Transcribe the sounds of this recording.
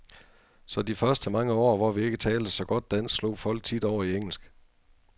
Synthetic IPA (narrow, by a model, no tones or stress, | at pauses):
sɒ̽d̥ifɶɐsd̥əmɑ̈ŋəɒ̰ːʋɒʋie̝ɡ̥ət͡sʰɛːld̥əsɒ̽ɡ̥ɒ̽d̥̚ːæn̰sslo̝̰ːfɒ̽l̰ɡ̥̚t͡sʰid̥ɒʊ̰ɐieŋ̰l̩sɡ̥